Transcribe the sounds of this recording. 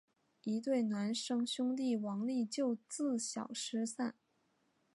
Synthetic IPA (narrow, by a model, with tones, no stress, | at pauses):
i˧˥t̪̬we˥˩ɪna˧˥nʂɤ˥ŋɕʊ˥ŋt̪i˥˩wɑ˧˥ŋli˥˧t͡ɕjo˥˧ʊt͡sɹ̩˥˩ɕjɑ̰˨˩ʊʂɻ̩˥sa˥˩n